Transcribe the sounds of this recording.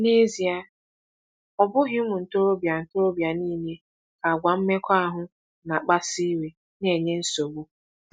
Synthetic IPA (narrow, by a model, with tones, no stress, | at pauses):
ne˦zi˨a˦ | ɔ˨bʊ˦ɦɪ˦mʊ˨n̩˨to˦ɾo˦bja˨n̩˨to˦ɾo˦bja˨niː˦ne˦ | ka˨a˨ɡʷa˨m̩˦me˦kʰʷa˦a˦ɦʊ˦ | na˨k͡pa˦si˦we˨ | ne˨ɲe˦n̩˦so˨bu˦